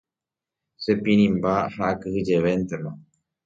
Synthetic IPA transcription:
sepĩɾ̃ĩmbahaʔakɨhɨd͡ʒeʋent̪emã

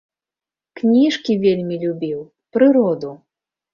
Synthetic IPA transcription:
knʲiʂkʲivʲelʲmʲilʲubʲiw | pɾɨɾɔd̪u

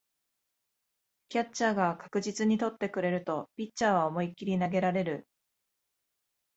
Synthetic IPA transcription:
kʲat͡ɕt͡ɕaːɡakḁkɯ̟ʑit͡sɨɲ̟it̪o̞t̪ːe̞kɯ̟ɾe̞ɾɯ̟t̪o̞pʲit͡ɕt͡ɕaːβaomo̞ikʲːiɾʲinaɡe̞ɾaɾe̞ɾɯ̟

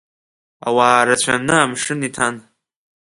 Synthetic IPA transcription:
a̰waːɾat͡ɕʷʰanɨamʂɨnitʰan

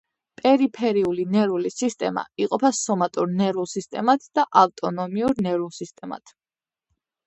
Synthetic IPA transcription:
pʼɛɾipʰɛɾiulinɛɾulisist̪ʼɛma̰iqʼɔpʰasɔmat̪ʼuɾnɛɾulˠsist̪ʼɛmat̪ʰd̪̥aʔavt̪ʼɔnɔmiuɾnɛɾulˠsist̪ʼɛma̰t̪ʰ

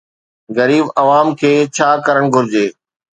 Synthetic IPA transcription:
ɣɐɾiːbɐʋaːmkʰeːt͡ɕʰaːkɐɾəɽ̃ɡʱʊɾɪd͡ʑeː

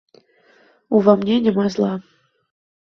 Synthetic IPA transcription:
uvɑmnʲenʲɪ̆mɑzlˠɑ

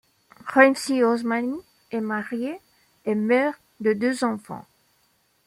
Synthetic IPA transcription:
ʁɛnsiɔzmani | ɛmaʁje | ɛmœʁ | d̪əd̪øzɑ̃fɑ̰̃

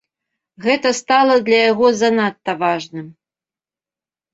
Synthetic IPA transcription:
ɣɛt̪ɐst̪alˠɐd̪lʲɐjaɣɔzanat̪ːɐvaʐnɨm

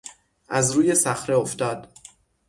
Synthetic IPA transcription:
ʔæzɾuːje̞sæxɾe̞o̞ft̪ɒːd̪̥

